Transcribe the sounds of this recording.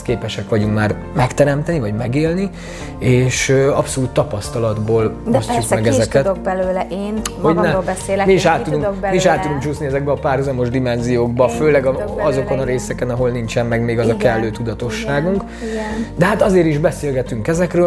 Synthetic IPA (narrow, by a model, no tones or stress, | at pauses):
keːpɛʃɛkʋɒɟuŋkmaːr | mɛkt̪ɛɾɛmt̪ɛnivɒɟmɛɡeːlni | eːʃøɒpso̞luːt̪ːɒpɒst̪ɒlɒd̪boːlst͡ʃukmmɛɡɛzɛkɛtd̪k̚bɛløːlɛʔeːnhoɟnɛbɛseːmiiʃaːt̪ːud̪uŋmiiʃaːt̪ːud̪uŋkt͡ʃuːsniɛzɛɡbɛɒpaːrhuzɒmo̞ʒd̪imɛnzijoːɡ̚bɒføːlɛɡɒɒzo̞ko̞nɒɾeːsɛkɛnɒɦo̞lnint͡ʃɛmːɛɡmeːɡɒzɒkɛlːøːt̪ud̪ɒt̪o̞ʃːaːɡuŋk | d̪ɛɦat̪ɒzeːɾiʒbɛseːlɡɛt̪yŋkɛzɛkrøː